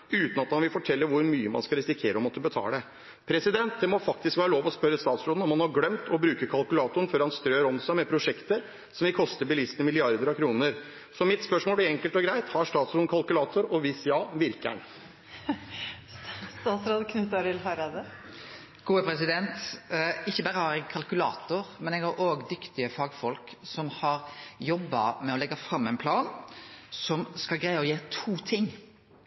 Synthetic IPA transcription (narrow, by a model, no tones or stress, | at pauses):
ʉːt̪nɑt̪hɑnʋɪlfɔʈʰɛlːəɾʋʊɾmyːəmɑ̰nskɑlɾɛsɪkʰeːɾəɔmɔt̪ːəbət̪ʰɑ̰ːləə | pʰɾɛsɪd̪ɛnt̪̚d̪ɛmɔfɑk̚t̪ɪskʋæːɾəloːʋɔspœɾːəst̪ɑːt̪sɾoːd̪n̩ɔmhɑnhɑɾɡlɛmt̪ʰɔbɾʉːkəkʰɑlkʉlɑːt̪ʊəɳ̩fɔɾhɑnst̪ɾøːɾɔmsæɪmɛpʰɾʊʂɛkt̪əɾ | sɔmʋɪkʰɔst̪əɾbɪlɪsnəmɪlɪɑɾd̪əɾɑkʰɾuːnəɾ | sɔmɪt̪spœʂmoːlæɾɛŋkəlt̪ɔɡɾæɪt̪hɑʂt̪ɑːt̪sɾoːnkʰɑlkʉlɑːt̪ʊɾɔʋɪsjɑːʋɪɾkæ̰ɳ | st̪ɑːt̪sɾɑːd̪kʰnʉt̪ːɑɾɪlɦɑɾɑd̪ə | ɡ̥uːəpʰɾɛsɪd̪ɛnt̪ɪçːəbæːɾəhɑɾɛɡkʰɑlkʉlɑ̰ːt̪ʊɾmɛnɛɡɑɾʔoːɡd̪ʏkt̪ɪəfɑːɡfɔlksɔmhɑɾjɔbːɑ̰mɛɔlɛɡːɑfɾɑmːɛnpʰlɑːnsɔmskɑlɡɾæɪɑɔjeːt̪ʰuːt̪ʰɪŋː